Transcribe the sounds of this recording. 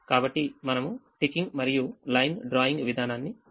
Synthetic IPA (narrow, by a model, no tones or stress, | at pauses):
kaːbɐʈːimɐnɐmuʈikːiŋɡmɐɾijulɐjnɖɾaːjiŋɡʋid̪ʱaːnaːnːi